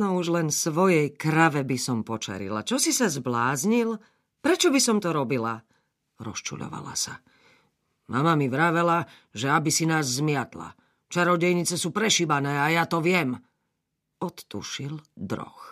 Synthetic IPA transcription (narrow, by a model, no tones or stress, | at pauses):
nɔuʒlɛnsʋɔjɛjkɾaʋɛbisɔmpɔt͡ʃa̰ɾḭla̰t͡ʃɔsisazblaːzɲil | pɾɛt͡ʃɔbisɔmt̪ɔɾɔbila | ɾɔ̰st͡ʃṵʎɔ̰ʋa̰la̰sa | mʔamamiʋɾaʋɛla | ʒɛabisinaːzːmɪat̪la̰ | t͡ʃaɾɔɟɛjɲit͡sɛsuːpɾɛʃibanɛːajat̪ɔʋɪɛm | ɔt̪ːṵʃild̪ɾɔ̰x